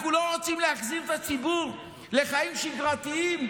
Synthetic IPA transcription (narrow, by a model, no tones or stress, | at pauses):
kulaʁot͡simleaχziʁt̪at͡sibuʁ | le̞χajimʃiɡʁat̪iim